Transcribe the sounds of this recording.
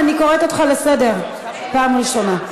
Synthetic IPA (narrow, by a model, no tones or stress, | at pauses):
aniko̞ʁet̪ot̪χalesede̞ʁ | paːmʁiʃona